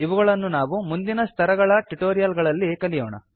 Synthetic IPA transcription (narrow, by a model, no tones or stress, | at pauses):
iʋuɡɐɭɐnːunaːʋumund̪inɐst̪ʰɐɾɐɡɐɭɐʈuʈoːɾijɐlɡɐɭɐlːikɐlijo̰ːɳɐ̰